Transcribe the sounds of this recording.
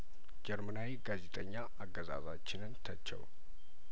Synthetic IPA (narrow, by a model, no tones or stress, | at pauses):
d͡ʒɛɾmənawiɡazet̪ʼəɲːaʔaɡːəza̰zat͡ʃːɪnɨnt̪ʰət͡ʃːɛ̰w